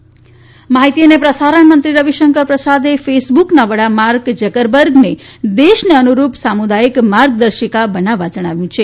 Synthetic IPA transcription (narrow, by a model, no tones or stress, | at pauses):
maɦit̪ijənepɾəsaɾəɳ̃mənt̪ɾiɾʌbiʃəŋkəɾpɾəsad̪epʰesbuknabəɽamaɾɡd͡ʒəkəɾbəɾɡned̪esneənuɾupsamud̪aikmaɾɡ̚d̪əɾʃikabənaʋad͡ʒəɽ̃aʋjũt͡ʃʰe